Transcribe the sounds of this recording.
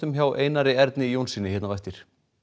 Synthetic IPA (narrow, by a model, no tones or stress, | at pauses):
ʏmçawʔeːjnaɾɪɛɾt̪nɪijownsinːɪçɛt̪navɛjft̪ɪɾ̥